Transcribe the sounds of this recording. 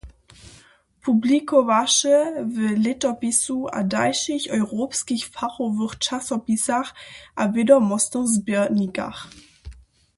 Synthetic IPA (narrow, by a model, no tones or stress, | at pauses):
pʰublikʰovaʃəvəlɪtɐpisuʔa̰daɪʃɪçɔʏʁoːpskɪçfaʁovʊʁʃasɔpisaχʔavedɐmɔstəzbiɐnika̰χ